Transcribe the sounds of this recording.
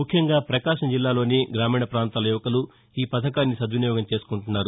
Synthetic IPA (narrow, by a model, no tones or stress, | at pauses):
mukʰjɐŋɡaːpɾɐkaːʂɐd͡ʒilːaːlo̞ːniɡɾaːmiːɳɐpɾaːnt̪aːlɐjuːʋɐkɐlu | iːpɐt̪ʰɐkaːnːisɐd̪ʋinijɔːɡɐmt͡ʃe̞ːsu̥kuɳʈunːaːɾu